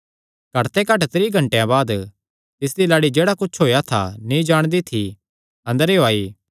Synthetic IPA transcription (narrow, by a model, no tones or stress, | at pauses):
ɡʱɐɾt̪ekɐʈt̪ɾiːɡʱɐ̃ɳʈejãbaːd̪ | t̪ɪs̬d̪ilaːɽid͡ʒeːɽakʊt͡ʃʰɦoːjat̪ʰa̰nĩd͡ʒaːɽ̃d̪it̪ʰi | ɐ̃nd̪əɾeoaːiː